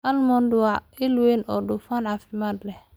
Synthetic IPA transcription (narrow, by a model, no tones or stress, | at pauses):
ʔɐlmɔndʊwaɪlwenʔɔdʊfanʕafɪmaːd̪lɛh